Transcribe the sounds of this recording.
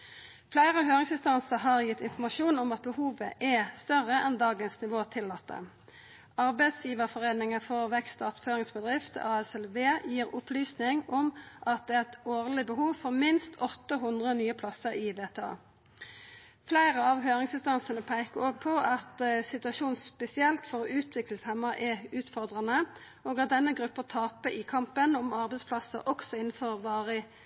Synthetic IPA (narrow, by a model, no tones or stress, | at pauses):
flæɪʁəɦøːʁɪŋsɪnst̪ɑnsəʁɦɑʁjɪt̪ːɪnfɔʁmɑʃuːnɔmɑt̪̚bəhuːʋə̰ʔɛst̪œʁəʔɛnd̪ɑːɡənsnɪʋoːt̪ʰɪlːɑt̪ʰːə̰ | ɑʁbæɪt̪sjiːʋəʁfɔʁeːnɪŋəfɔʁʋɛkst̪ɑːt̪føːʁɪŋsbəd̪ʁɪft̪ɑːɛsɛlʋeːjiːʁʊplyːsnɪŋɔmʔɑt̪̚d̪ɛːʁɛt̪oːʁlɪbəɦuːʋfɔʁmɪnst̪ʰɔt̪ːəɦʊnd̪ʁənyːəpʰlɑsəʁɪʋeːt̪ʰːɑ̰ː | flæɪʁəɑʋɦøːʁɪŋsɪnst̪ɑnsənəpʰæɪkəoːɡ̚pʰɔʔɑt̪sɪt̪ʉɑʃuːnspɛsɪɛlt̪fɔʁɔːʉːt̪ʰʋɪkləshɛmːəʔɛʉːt̪fɔʁd̪ʁɑnə | oːɡɑt̪̚d̪ɛnːəɡʁʉpːət̪ʰɑːpəʔɪkʰɑmpənɔmɑʁbɛɪspʰlɑsəʔɔksɔɪn̩fɔʁʋɑːʁə